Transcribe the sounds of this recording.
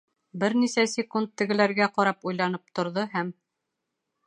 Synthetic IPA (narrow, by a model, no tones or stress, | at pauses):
bɘɾnisæsʲɪkunt̪ːɘ̆ɡɘ̆læɾɡæqɒɾɑpujlˠɑnɤp̚t̪ŏɾðɤɦæm